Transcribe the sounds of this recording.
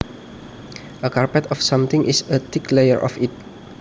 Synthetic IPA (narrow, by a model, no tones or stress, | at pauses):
ʔəkarpɛt̪ɔfsãmt̪ɪ̃ŋʔɪsət̪ɪklejəɹʔɔ̰fɪt̪̚